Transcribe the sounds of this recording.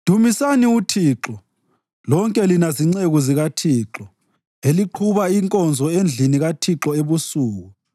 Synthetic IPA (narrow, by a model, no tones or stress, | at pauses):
d̥ʱumisaniutʰiːǁɔ | lɔŋkʼɛlinaziŋ͡ǀeɣuziɣatʰiːǁɔ | eliǃʰuβaiŋkʼɔnd͡zʱɔend͡ɮʱiniɣatʰiǁɔeβusuːɣu